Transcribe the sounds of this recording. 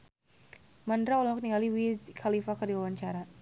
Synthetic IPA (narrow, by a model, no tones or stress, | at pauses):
mandɾaulak̚t̪iŋaliwid͡ʒkʰalifakərdiwawaɲt͡ʃaɾa